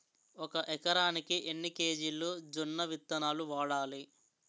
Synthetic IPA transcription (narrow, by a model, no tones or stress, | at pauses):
ɔkɐʔɛkɐɾaːnikiʔenːike̞ːd͡ʒilːoːd͡ʒunːɐʋit̪ːɐnaːluʋaːɽaːli